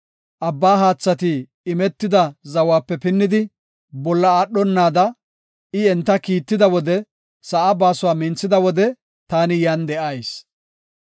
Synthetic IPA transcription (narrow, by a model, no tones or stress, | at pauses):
ʔɐbːaːɦaːt͡sːɐt̪iː | mɛt̪ːɪd̪ɐzɐwaːpːɛpɪnːɪd̪ɪ | bɔlːɐaːɗːɔnːaːd̪ɐ | ɪɛnt̪ːɐkiːt̪ːɪd̪ɐwɔd̪ɛ | sɐʔabaːsʊwaːmɪnt͡sːɪd̪ɐwɔd̪ɛ | t̪aːnɪjand̪ɛʔɐjs